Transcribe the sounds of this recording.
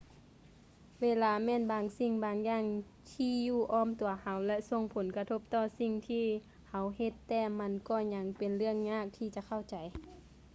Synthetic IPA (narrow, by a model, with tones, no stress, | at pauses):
weː˧˨laː˧˥mɛː˧˥˨nbaː˨ŋsi˧˩ŋbaː˨˦ŋjaː˧˨ŋ | t̪ʰiː˧˥juː˧˩ʔɔː˧˥˨mt̪u˨˩˦ɐha˨˦wlɛ˧so˧˨ŋpʰo˨˦nka˧t̪ʰo˧˥p̚t̪ɔː˧˩si˧ŋt̪ʰiː˧ | ha˨˦whe˧t̪ːɛː˧˩ma˧˥˨nkɔː˧˩ɲa˧˦ŋpe˨nlɯ˧˩əŋɲaː˧˥˨k̚t̪ʰiː˧t͡ɕa˧˦kʰa˧˩˨wt͡ɕa˨˦j